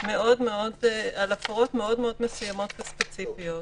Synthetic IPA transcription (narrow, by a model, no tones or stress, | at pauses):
me̞ʔo̞dme̞o̞dalafoʁo̞t̪me̞o̞dmeo̞d̪mesujamo̞t̪vespet͡sifijo̞t